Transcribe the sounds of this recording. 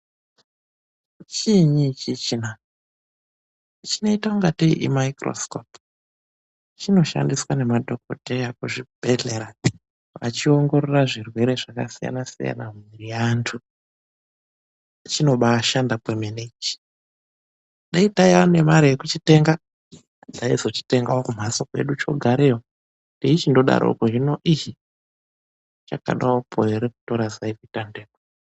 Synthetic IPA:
t͡ʃiɲit͡ʃit͡ʃina | t͡ʃino̞itauŋɡatḭʔimaikro̞̰skop | t͡ʃino̞ʃa̰ndiswane̞madʱo̞kotejakuʐib̥ʱe̞ɮe̞ɾa | ʋa̰t͡ʃio̞ŋɡo̞ɾo̞raʐirwe̞ɾe̞ʐakasija̰nasḭja̰namiɾiantʰu | at͡ʃino̞ɓaːʃandapwemenet͡ʃi̥ | ɗaitaiane̞maɾijekut͡ʃite̞ŋɡa | d͡zaizo̞t͡ʃi̥te̞ŋɡaokum̤asokwe̞̰ɗut͡ʃo̞̰ɡʱaɾejo | ndeit͡ʃindo̞ɗa̰ɾo̰koʒino̞ʔii | t͡ʃaka̰ɗaopʰoeɾeku̥to̞ɾazaivitandeːmo

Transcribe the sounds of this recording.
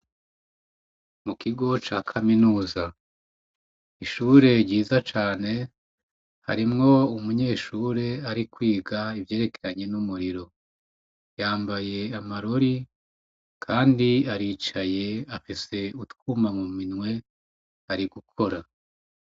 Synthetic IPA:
mukiɡo̞t͡ʃaːkʰaminuːza | iʃuːɾe̞ɾɟiːzat͡ʃaːne̞ | ha̰ɾimŋo̞umuɲe̞ːʃuːɾe̞aɾikwiːɡaivje̞ːɾe̞ke̥ɾaɲe̞numuɾiɾo̞ | jaːmbaje̞amaɾo̞ɾi | kʰaːndiaɾiːt͡ʃaje̞afise̞utkumamuminwe̞ | aɾiɡukʰo̞ɾa

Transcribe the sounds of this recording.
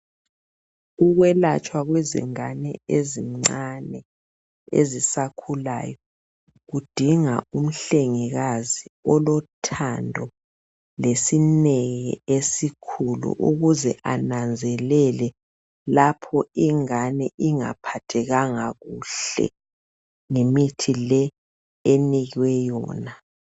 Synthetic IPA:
uɣwɛlat͡ʃʼwaɣwezḭŋanɛ̰eziŋ͡ǀanɛ | ḛzisakʰula̰ːjɔ | ɣud̥ʱiŋa̰um̩ɬeŋiɣaziɔlɔtʰandʱɔ | lesinɛɣḭesikʰulṵʔuɣuzɛʔanand͡zʱɛlɛlɛ | lapʰɔiŋanɛʔiŋa̰pʰatʰɛɣaŋaɣuɬɛ̰ | ŋemitʰilɛ | eniɣwɛjɔ̰ːna

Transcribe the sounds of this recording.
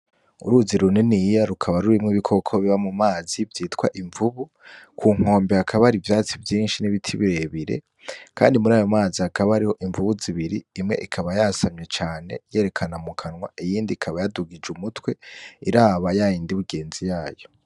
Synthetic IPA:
ṵɾuziɾuninijaɾukʰaβaɾuɾimŋiβikʰo̞kʰoβiβamumaːzivjiːtkwaʔiɱvuβu | kʰuːŋ̥o̞ːmbehakʰaβaɾivjaːt͡sivjiːnʃiniβitʰiβiɾe̞βiɾe̞̰ | kʰa̰ːndimuɾaːjo̞maːzihakʰaβahaɾiho̞ʔiɱvuβuziβiɾiːmŋe̞̰ʔikʰaβajasamɲe̞t͡ʃaːne̞̰je̞ːɾe̞kʰanamukʰanŋwa̰ʔijiːndikʰaβajaduɡid͡ʒumutwe̞iɾaːβajajiːndiβuɡe̞ːnzijaːjo̞

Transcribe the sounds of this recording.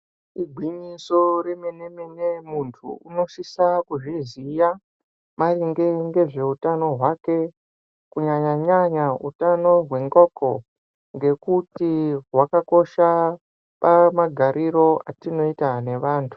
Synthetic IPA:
iɡʱwiɲiso̞ɾemeneminemuntʰṵuno̞ʃisakuʐizija | mariŋɡe̞ŋɡe̞ʐe̞utano̞ɦwake̞ | kuɲaɲaɲaɲaṵtano̞ɦwe̞ŋɡoːko | ŋɡe̞kutiɦwakako̞ʃa | pamaɡʱaɾʔiɾo̞ʔatino̞itane̞ʋaːntʰu̥

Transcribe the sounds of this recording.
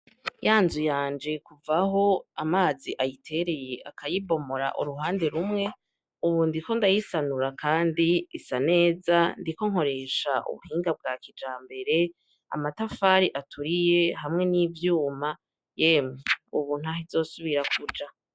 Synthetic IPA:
jaːnzujaːnd͡ʒe̞kuvaho̞amaːziʔajitʰe̞ɾe̞je̞ʔakʰajibo̞mo̞ɾa̰ʔṵɾuɦaːnde̞ɾumŋe̞ | uβuːndiko̞ndajisanuɾakaːndiisane̞ːzandiko̞ŋ̥ho̞ɾe̞ʃaʔṵβṵhiːŋɡab̚ɡaːkid͡ʒaːmbe̞ɾe̞ | a̰matafaːɾiʔatʰuɾije̞hamŋe̞niːvjuːma | jemeuβuːn̥huaɦizo̞ːsuβiɾakʰud͡ʒa

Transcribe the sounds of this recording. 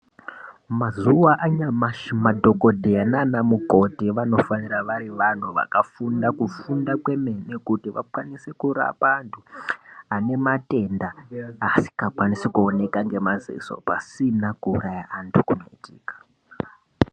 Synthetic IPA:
mazuwaʔaɲamaʃmadʱoko̞dʱenanamuko̞tiʋano̞faniɾaʋaɾiʋan̤uʋa̰kafundakufundakwe̞me̞nekutiʋa̰kwanisekuɾa̰pantʰuane̞mate̞ndaːsi̥kakwanisikuone̞kaŋɡe̞mazḭso̞̰pasinakuurajaʔantʰukuno̞̰itiːkḁ

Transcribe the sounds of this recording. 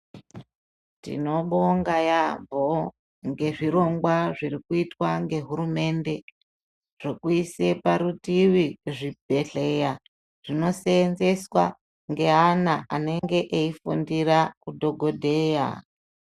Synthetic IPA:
tḭno̞ɓoŋɡajambʱo | ŋɡe̞ʐiɾo̞ŋɡwaʐirikuitwaŋɡe̞ɦuɾume̞nde̞ | ʐ̥okuise̞paɾutiʋiʐib̥ʱe̞ɬe̞ja | ʐ̥ino̞seːnze̞swa | ŋɡe̞ɦanaʔane̞ŋɡe̞ʔeifundiɾakudʱo̞ɡʱo̞dʱe̞ːja̰

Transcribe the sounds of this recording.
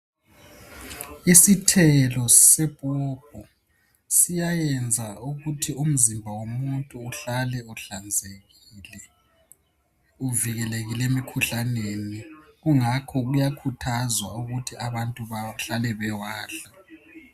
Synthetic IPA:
isitʰɛlɔsɛb̥ʱuːb̥̚ʱɔ | sijajɛnd͡zʱauɣutʰium̩zimbʱawomuntʼuːɬalɛuɬand͡zʱeɣilɛ | uviɣɛleɣilɛemikʰuɬaneniɣuŋakʰɔɣujakʰutʰazwauɣutʰiaβantʼuβaɬalɛβɛwaːɬa

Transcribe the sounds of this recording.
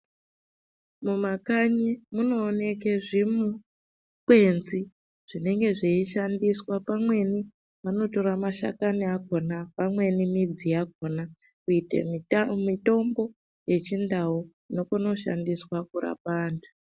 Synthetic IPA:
mumakaɲimuno̞ːne̞k̬eʐimu | kwe̞nzi | ʐ̥ine̞ŋɡe̞ʐeiʃandiswapamwe̞ni | ʋano̞to̞ɾamaʃa̰kaniako̞napamwe̞nimid͡zijak̚o̞na | kuitḛmito̞mbo̞ | je̞t͡ʃindao | no̞kuno̞ʃa̰ndiswakuɾa̰paːndʰu

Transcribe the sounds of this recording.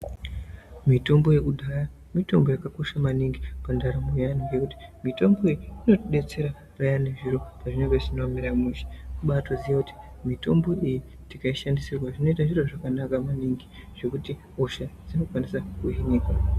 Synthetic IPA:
mito̞mbo̞je̞kudʱaja | mito̞mbo̞jakako̞ʃamaniŋɡipandaɾamujanoje̞kuti̥mito̞mbo̞ijiino̞tiɗe̞t͡se̞ɾa | rajane̞ʐiɾo̞paʐineŋɡeʐinomiɾamuʃe̥uɓatozijakuti̥ | mito̞mbo̞ʔiji | tikaiʃandisirwaʐino̞it̬aʐiro̞ʐakanakamaniŋɡi | ʐ̥e̞kuti | oʃad͡zino̞kwanisakuɦinekwa

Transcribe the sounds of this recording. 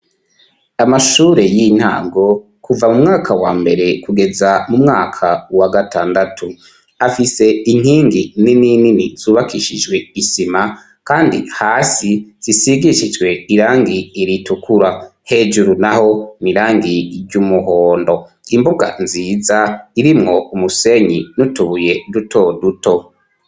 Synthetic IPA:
amaʃuːɾe̞jin̥ha̰ːɡo̞ | kʰuvamumŋaːkʰawaːmbe̞ɾe̞kuɡe̞zamumŋaːkʰawaɡatʰaːndatʰu | afise̞iŋ̥hiːŋɡininininiz̥uːβakʰiʃid͡ʒɡwe̞isima | kaːndḭhaːsiz̥isiɡiʃid͡ʒɡwe̞iɾaːŋɡiiɾitukʰuɾahe̞d͡ʒuɾunaho̞niɾaːŋɡiɾɟumuɦoːndo̞ | imbuɡa̰nziːzaiɾimŋo̞umuse̞ɲinutuβuje̞dutʰo̞duto̞

